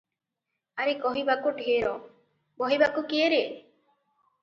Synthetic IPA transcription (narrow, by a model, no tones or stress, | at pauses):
aɾekɔɦibakoɖʱeeɾɔ | bɔɦibakukieɾe